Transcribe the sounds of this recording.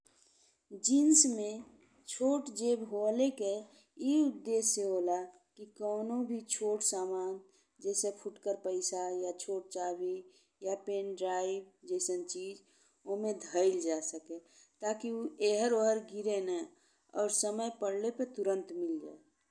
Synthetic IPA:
d͡ʒinsmẽ | t͡ʃʰoːʈd͡ʒebɦoleke | iʊd̪ːeːseɦola | kikɔːnobʱit͡ʃʰoːʈsaːmaːn | d͡ʒɛːsepʰuʈkəɾpəɪsajat͡ʃʰoːʈ̚t͡ʃaːbi | japeːnɖɾaːɪbd͡ʒɛːsənt͡ʃiːd͡ʒ | omẽd̪ʱəɪld͡ʒasəke | t̪akiueɦəɾoɦəɾɡiɾenə | ɔːɾsəməjpəɽlepəɾt̪uɾə̃nt̪mɪld͡ʒa̰ːe

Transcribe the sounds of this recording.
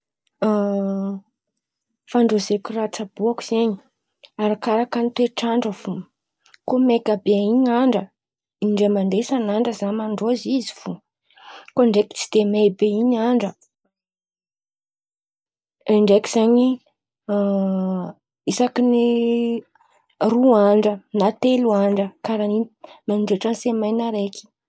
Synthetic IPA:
faɳɖ͡ʐozekʲurat͡sab̥uaki̥z̥eɲi̥ | aɾakaɾakanit̪weʈ͡ʂaɳɖ͡ʐəvu | komekʲabeaiɲaɳɖ͡ʐə | iɳɖ͡ʐemand̪esanaɳɖ͡ʐəzamaɳɖ͡ʐoziziv̥u | koɳɖ͡ʐekʲi̥t͡si̥d̪emebeiɲaɳɖ͡ʐə | ɳɖ͡ʐeki̥z̥aɲi | isakini | ruaɳɖ͡ʐənat̪eluaɳɖ͡ʐəkaɾanimanɳɖ͡ʐeʈ͡ʂənsemajnaɾeki̥

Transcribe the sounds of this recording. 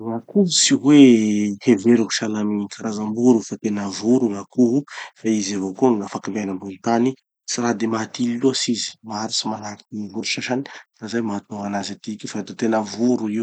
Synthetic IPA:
ŋakuvusiweheveɾuɦu̥ʃalamikʰaɾazambuɾufat̪enəvuɾuŋakuɦufaizavokuaŋafakimbenambulut̪ani | siɾad̪emat̪ililuasizi̥maɾisimanakinivuɾuʃaʃani̥fazajmaat̪oanazat̪ikʲifad̪ot̪enəvuɾuiw

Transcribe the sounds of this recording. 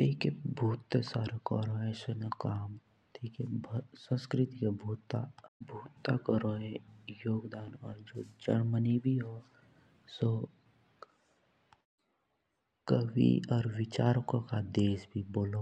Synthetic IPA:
t̪eikebʱuːt̪ːesaːɾekɔɾõɛːsonakaːm | t̪ʰiːkebʱsə̃nskɾɪt̪ikebʱuːt̪abʱuːt̪ːakəɾoɛ̃joːɡd̪aːnɔːɾd͡ʒoːd͡ʒəɽmənibʱiɦo | so | kəʋḭɔːɾʋɪt͡ʃaːɾokõkad̪eːsbʱiboːlo

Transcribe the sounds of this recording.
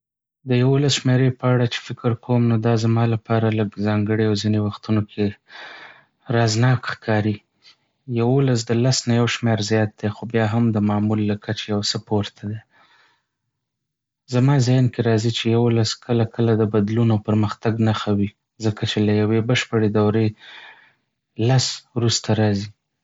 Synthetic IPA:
d̪əjawolasʃmeɾepəaɽat͡ʃe̥fɪkɪɾkʰomnod̪ɑzamɑlapɑɾaləɡzɑŋɡəɽeawzinewaxt̪unokʰe | ɾɑznɑkxkʰɑɾi | jawolas̬d̪əlasnajawʃmeɾzjɑt̪̚d̪exobjɑɦamd̪əmɑmulːakʰat͡ʃejawsəpoɾt̪ʰad̪e | zamɑzajnkeɾɑzit͡ʃejawolaskʰəlakʰəlad̪əbad̪lunopəɾməxt̪aɡnaxawi | zəkat͡ʃelajawebəʃpəɽed̪awɾe | laswɾust̪aɾɑzi

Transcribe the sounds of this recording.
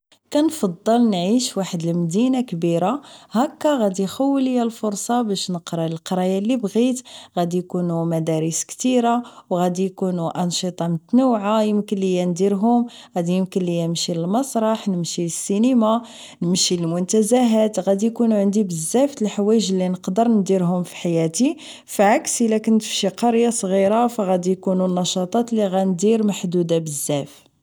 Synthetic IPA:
kænfɑd̪ˤːəlnʕiʃwaħəd̪əlmd̪inakbiɾahækːæɣæd̪ixæwːəljælfʊɾsˤɑbæʃnəqɾˤɑləlqɑɾˤɑjalːibɣit̪ɣæd̪ijkunumæd̪ɑɾəskt̪iɾawɣæd̪ijkunuʔɑnʃɨt̪ˤɑmt̪nuwʕajəmkənlijænd̪iɾɦʊmɣæd̪ijəmkənlːijænəmʃiləlmɑsˤɾˤɑħnəmʃisːinima | nəmʃiləlmʊnt̪æzæɦæt̪ɣæd̪ijkunuʕənd̪ibəzːæft̪əlħawæjəʒlːinəqd̪əɾnd̪iɾɦʊmfi̥ħajæt̪i | fʕaksʔəlækʊnt̪ə̥fʃiqɑɾjɑsˤɣiɾafæɣæd̪ijkununːɑʃɑt̪ˤɑt̪liɣænd̪iɾmaħd̪ud̪abəzːæf

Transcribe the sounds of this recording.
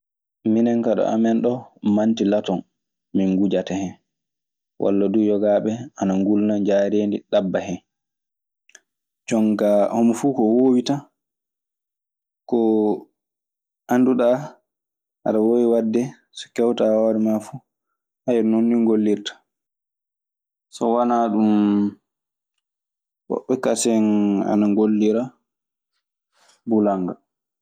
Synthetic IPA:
minɛŋkaɗɔ̰ʔa̰mɛnɗɔmantilatɔn | miŋɡud͡ʒatɛhɛn | wʔa̰lːadujɔɡaɓɛanaŋɡulnaɲd͡ʒaɾeːndiɗabːahɛn | d͡ʒɔŋkahomfukɔwoːwita | kɔ | ʔanduɗa | ha̰ɾawowiwadːɛ | sɔ̥kɛwtawaɾɛmafu | hajɛnonːiŋɡolːiɾtḁ | sɔwanaɗum | wɔ̰ɓːɛkasɛna̰naŋɡolːiɾa | bulaŋɡa

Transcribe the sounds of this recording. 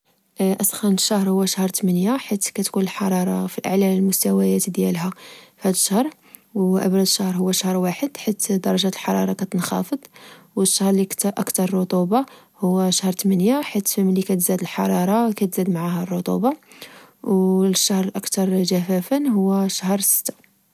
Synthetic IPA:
ʔæsˤxɑnəʃːahɾˤhʊwːæʃahɾˤt̪mənjaħit̪kæt̪kunəlħɑɾˤɑɾˤɑfilʔaʕlæləlmʊst̪æwæjæt̪d̪jælɦæfhæd̪əʃːahɾˤ | wʔæ̰bɾˤɑd̪əʃːahɾɦʊwːæʃahɾˤwaħəd̪ħit̪d̪ɑɾˤɑʒæt̪əlħɑɾˤɑɾˤɑkæt̪ənxɑ̰fəd̪ˤwəʃːahɾˤlikt̪æʔəkt̪ɑɾˤrːʊt̪ˤubɑ | hʊwːæʃahɾˤt̪mənjaħit̪fəmlikæt̪zæd̪əlħɑɾˤɑɾˤɑkæt̪zæd̪maʕahærˤːut̪ˤṵbɑ | wʃːahɾʔakt̪ɑɾˤʒæfæfənɦʊwːæʃahɾˤsə̥t̪ːḁ

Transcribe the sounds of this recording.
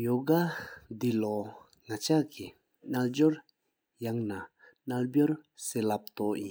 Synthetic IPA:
joɡad̪ilɔ | ŋat͡ɕʰaʔki | nald͡ʑoɹ | jaŋna | nalbjoɹseːlap̚t̪ɔʔjin

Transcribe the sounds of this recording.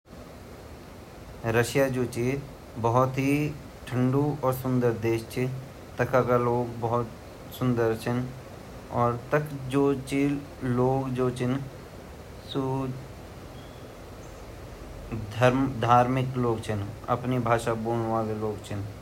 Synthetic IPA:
ɾəʃjad͡ʒoːt͡ʃi | bəɦʊt̪ɦi | ʈʰə̃ɳɖuɔːɾsʊ̃nd̪əɾd̪eːʃt͡ʃʰi | t̪əkʰakaloːɡbɐɦʊt̪ | sʊ̃nd̪əɾt͡ʃʰɪn | ɔːɾt̪əkd͡ʒoːt͡ʃi | loːɡd͡ʒoːt͡ʃʰɪn | su | d̪ʱəɾmd̪ʱaːɾmɪkloːɡt͡ʃʰɪnɐ̰pnibʱaːʃabuːɳ̃ʋaːleloːɡt͡ʃʰɪn

